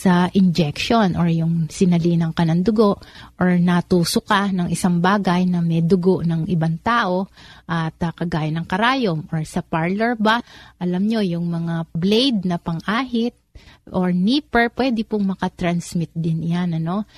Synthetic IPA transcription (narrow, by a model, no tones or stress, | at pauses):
sɐʔɪnd͡ʒɛkʃonʔoɹjʊŋsɪnɐliːnɐŋkɐnɐŋd̪ʊɡo̞ʔʔoɹnɐt̪uːsʊkanɐŋʔɪsaŋbaːɡɐjnɐmɛd̪ʊɡoʔnɐŋʔɪbaŋt̪aːʔo̞ʔɐt̪ɐkɐɡaːjɪnɐŋkɐɾaːjomʔoɹsɐpaɹlɛɹbaʔɐlamɲo̞jʊŋmɐŋablejd̪̚nɐpɐŋʔaːɦɪt̪̚ʔoɹniːpɛɹpwɛːd̪ɪpʊŋmɐkɐt̪ɾɐnsmɪt̪̚d̪ɪnjanɐno̞